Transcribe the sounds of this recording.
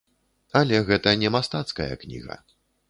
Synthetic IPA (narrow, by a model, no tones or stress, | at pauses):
ɐlʲɛɣɛt̪ɐnʲɛmast̪at̪skɐjɐ̰knʲḭɣɐ̰